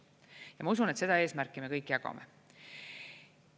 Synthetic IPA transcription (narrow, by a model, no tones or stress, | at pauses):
jɑmɑusunet̪se̥ɑe̞ːsmærkːˑime̞kɤjkːˑjɑɡ̥ɑ̰mḛ